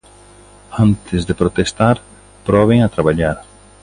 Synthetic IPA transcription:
ant̪ɪzðepɾot̪est̪aɾ | pɾɔβeŋat̪ɾaβaʎaɾ

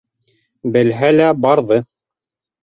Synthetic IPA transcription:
bɘ̆lɦælæbɑɾðɤ

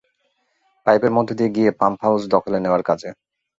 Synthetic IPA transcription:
pajbeɾmɔd̪ʱːod̪ieɡiepampʰaud͡ʑd̪ɔkʰoleneoaɾkad͡ʑʰe

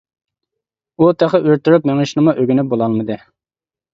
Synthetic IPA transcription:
ut̪ʰæχəʔøɾt̪yɾupmeŋɪʃnɨmuʔøɡʲynɪbolˠɑlˠmɨd̪ɨ

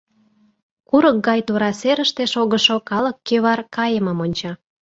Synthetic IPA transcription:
kuɾək̚ɡɑjt̪uɾɑseɾəʃt̪eʃoɣə̆ʃokɑləkːeβɑrkɑjəmə̆monʲt͡ɕɑ

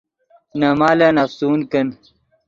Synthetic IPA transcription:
nɐmaːleːnɐfsuːnkɐn

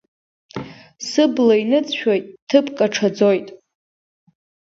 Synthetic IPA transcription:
sɨblainɨt͡sʰʼʃᶣo̞jtʼtʰɨpʰkʼaʈ͡ʂʰad͡zo̞jtʼ

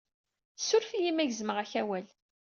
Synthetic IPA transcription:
sʊɾfijimæʝzməʁæçæwæl

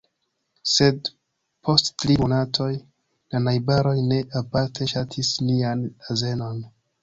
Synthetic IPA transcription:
se̞d | pʰo̞stːɾimo̞natʰo̞j | lanajbaɾo̞jne̞ʔapaɾtʰe̞ʃatʰisnianaze̞no̞n

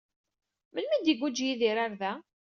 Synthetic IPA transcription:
məlmæd̪iɡʷud͡ʒjiðiɾaɾðæ

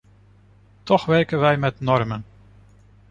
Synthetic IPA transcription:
tɔxʋɛɹkənʋɛjmɛtnɔrmən

